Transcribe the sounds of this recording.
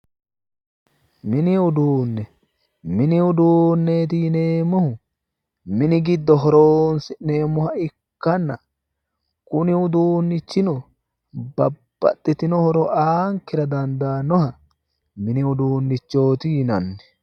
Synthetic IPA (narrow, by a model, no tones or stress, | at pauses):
mɪnɪʊd̪uːnːɛ | mɪnɪʊd̪uːnːeːt̪̬ineːmɔhʊ | mɪnɪɡɪd̪ːɔɦɔɾoːnsɪneːmːɔhɐɪkkːɐnːɐ | kʊnɪʊd̪uːnːɪt͡ʃːɪnɔ | bɐb̥ːɐ̰t̪ʼːɪt̪ɪnɔhɔɾɔʔaːŋkɪɾɐd̪ɐnd̪aːnɔhɐ | mɪnɪʊd̪uːnːɪt͡ʃːo̞ːt̪ɪjɪnɐnːɛ̥